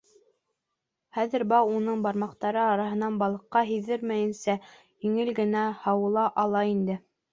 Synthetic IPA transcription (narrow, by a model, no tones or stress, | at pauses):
χæðɘɾbɑwunɤɴbɑɾmɑqt̪ɑɾɤɑɾɑɦɤ̆nɑnbɑlˠɤ̆qːɑɦiðɘɾmæjɘ̆nsæ | jiŋɘlɡɘ̆næhɑwɤ̆lˠɑʔɑlˠɑind̪ɘ